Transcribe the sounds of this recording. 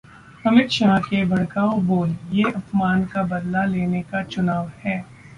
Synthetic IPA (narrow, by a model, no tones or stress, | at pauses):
ɐmɪt̪ʃaːkebʱɐɽ̃kaːoboːljeɐfmaːnkabɐd̪laleːnekat͡ʃʊnaːʋhɛː